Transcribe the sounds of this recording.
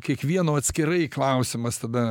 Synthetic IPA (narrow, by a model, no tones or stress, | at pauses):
kʲiɛkʋʲiɛnoːɐt̪ʲsʲkʲɪɾɐɪklˠɐʊsʲɪmɐst̪ɐd̪ɐ